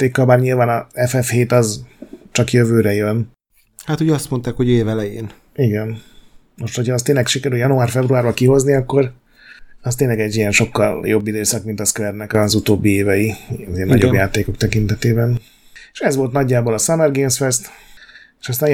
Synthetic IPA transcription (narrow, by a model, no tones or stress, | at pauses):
t̪eːkːɒlbaːrɲilvaːnɒɛfɛfheːt̪ɒzt͡ʃɒkjøvøːɾɛjøn | hat̪uɟɒst̪mont̪aːkho̞ɟeːvɛlɛjeːn | iɡɛn | mo̞ʃt̪ho̞chɒːst̪eːnlɛkʃikɛɾyljɒnuaːrfɛbruaːrbɒkiɦo̞zniɒkːo̞ɾ | ɒst̪eːɲlɛɡɛɟːijɛnʃo̞kːɒljo̞bːid̪øːsɒkmint̪ɒskvɛrnɛkɒzut̪oːbːieːvɛjiɒzenɒɟobjaːt̪eːko̞k̚t̪ɛkint̪ɛt̪eːbɛn | eʃɛzʋo̞lt̪nɒɟːaːbo̞lɒsɒmɛrɡeːnsfɛst̪ | e̥ːʃɒst̪aːn